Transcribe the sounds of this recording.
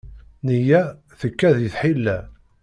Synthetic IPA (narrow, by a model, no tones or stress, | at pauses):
nijæ | θəkːæðjəθħilːæ